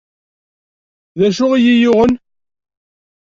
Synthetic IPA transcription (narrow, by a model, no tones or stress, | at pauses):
ðæʃʊʁijijʊʁən